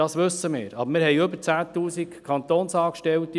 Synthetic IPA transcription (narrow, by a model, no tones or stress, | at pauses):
ɑːsʋɵsːəmɪ̰ːɾɑ̰bəɾmɪːɾɦɛɪʏbəɾt͡sæːt̪uːsikkʰɑnt̪oːnsɑːkʃtɛlt̪i